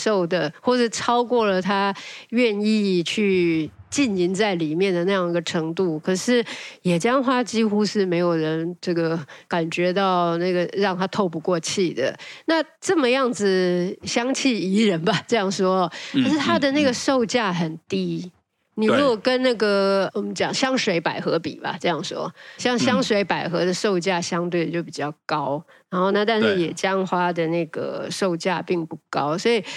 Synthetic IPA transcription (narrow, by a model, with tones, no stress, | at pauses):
ʂo˥˩ʊd̪ə˩xwɔ˥˩ʈ͡ʂə˨˥˧ʈ͡ʂʰɑ˥ʊkwɔ˥˩lə˩t̪ʰa˥ɥɛ˥˧ni˥˧t͡ɕʰy˥˧t͡ɕi˥˩ni˧˥nt͡sa˥˩ɪli˨˩mjɛ˥˩nd̪ə˩na˥˧jɑ˥˩ŋi˧˥ɡə˩ʈ͡ʂʰɤ˧˥ŋt̪u˥˩kʰɤ˨˩ʂɻ̩˥˩jɛ˨˩t͡ɕjɑ˥ŋxwa˥t͡ɕi˥xu˥ʂɻ̩˥˩me˧˥ɪjo˨˩ʊɻə˧˦˥nʈ͡ʂɤ˥˩ɡə˩ka˨˩nt͡ɕɥɛ˧˥t̪ɑ˥˩ʊna˥˩ɡə˩ɻɑ˥˩ŋt̪ʰa˥t̪ʰo˥˧ʊp̬u˧kwɔ˥˧t͡ɕʰi˥˩d̪ə̰˩na˥˧ | ʈ͡ʂɤ˥˩mə˩jɑ˥˩ŋd͡zɹ̩˨˩ɕjɑ˥ŋt͡ɕʰi˥˩i˧˥ɻə˧˥nba˨ʈ͡ʂɤ˥˧jɑ˥˩ŋʂwɔ˥˧kʰa˨˧ʂɻ̩˥˩t̪ʰa˥d̪ə˨na˥˩ɡə˩ʂo˥˧ʊt͡ɕja˥˩xə˨˩nt̪i˥ | ni˨˩ɻu˦˥kwɔ˨˩kə˦nna˥˩ɡə˩wɔ˨˩mə˦nt͡ɕjɑ˨˩ŋɕjɑ˥ŋʂwe˧˥ɪpa˨˩ɪxɤ˧˥pḭ˨˩bɐ̰˨˩ʈ͡ʂɤ˥˧jɑ˥˩ŋʂwɔ̰˥ɕjɑ˥˩ŋɕjɑ˥ŋʂwe˧˥ɪpa˨˩ɪxɤ˧˥d̪ə˨˧ʂo˥˧ʊt͡ɕja˥˩ɕjɑ˥ŋt̪we˥˩ɪd̪ə˩t͡ɕjo˥˩ʊp̬i˨˩t͡ɕjɑ˥˩ʊkɑ˦˥ʊɻa˧˥nxo˥˧ʊna˥˧t̪̬a˥˧nʂɻ̩˥˩jɛ˨˩t͡ɕjɑ˥ŋxwa˥d̪ə˨na˥˩ɡə̰˩ʂo˥˧ʊt͡ɕja˥˧pi˥˧ŋpu˥˩kɑ˥ʊswɔ˧˥i˨˩